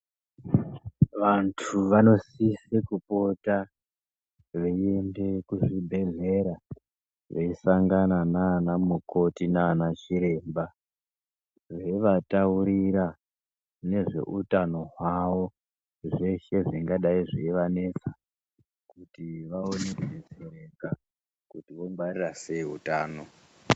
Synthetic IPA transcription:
ʋantʰuʋano̞sisekupo̞ta | ʋe̞ende̞kuʐibʱe̞ɮe̞ɾa | ʋeisaŋɡananaːnamuko̞tinaːnat͡ʃiɾe̞ːmba | ʋe̞ʋatauɾiɾa | ne̞ʐe̞̰ʔutano̞ɦwawo̞ | ʐeʃe̞ʐiŋɡaɗaiʐiiʋane̞t͡sa | kutiʋaonekezeɾeɡa | kutiʋo̞ŋbarirase̞iɦṵtaːno̞

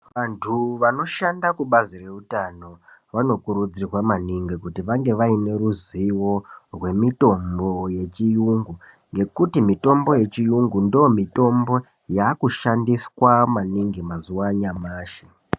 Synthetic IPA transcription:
ʋantʰuʋano̞ʃandakuɓazire̞utano̞ʋano̞kuɾud͡zirwamaniŋɡikutiʋaŋɡe̞ʋaine̞ɾuziwo̞rwe̞mito̞mbo̞je̞t͡ʃijuŋɡu | ŋɡe̞kutimito̞mbo̞je̞t͡ʃijuŋɡundiomito̞mbo̞ | jaːkuʃandiswamaniŋɡimazuwaɲamaːʃe

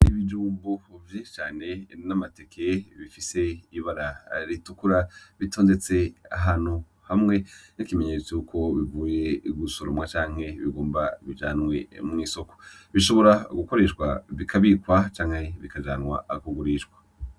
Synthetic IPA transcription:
iβid͡ʒuːmbovjet͡ʃaːne̞namate̞kʰe̞βifise̞iβaɾaɾitukuɾaβito̞ːnde̞t͡se̞a̰ɦanhu | hamŋe̞nikime̞ɲe̞ːt͡sejukʰo̞βivuːje̞ɡusoɾomwat͡ʃaːŋ̥he̞βiɡoːmbaβid͡ʒaːnwe̞mŋiːso̞ko̥ | βiʃo̞βo̞ɾaɡuko̞ɾeʃkwa̰βikʰaβikwat͡ʃaːŋheβikad͡ʒaːnwa̰kuɡuɾiʃɡwḁ

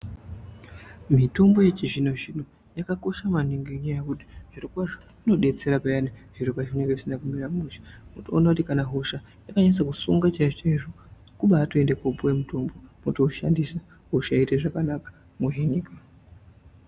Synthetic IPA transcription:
mito̞mbo̞je̞t͡ʃiʐinoʐino | jakako̞ʃamaniŋɡiɲajajekuti̥ʐ̥iɾokwaʐo | ino̞ɗe̞t͡se̞ɾapajaniʐ̥iɾokwaʐineŋɡeʐisinakumiɾamuʃḁmotoːnakutikanaɦoʃa | jakaɲanis̬akusṵŋɡat͡ʃaiʐot͡ʃaiʐo | kuɓaːtoe̞ndekopowe̞muto̞mbo̞motoːʃa̰ndisa | ɦoʃaiteʐakanakḁ | muɦenika

